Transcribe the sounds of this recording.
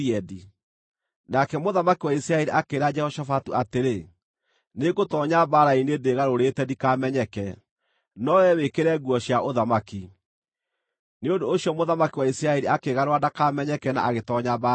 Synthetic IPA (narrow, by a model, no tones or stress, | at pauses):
ɛdi | nakɛmoðamakiwaisiɾaɛɾiʔakeɾad͡ʒɛhɔʃafatuateɾe | neɣotɔɲabaɾainedeɣaɾoɾetɛdikamɛɲɛkɛ | nɔwɛwekeɾɛɣwɔɕjaʔoðamaki | neondoːɕjɔmoðamakiwaisiɾaɛɾiakeɣaɾwadakamɛɲɛkɛna̰ʔaɣetɔɲaba